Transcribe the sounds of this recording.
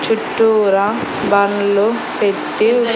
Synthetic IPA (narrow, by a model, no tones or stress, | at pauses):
t͡ʃuʈːuːɾɐ | bɐnlu | peʈːi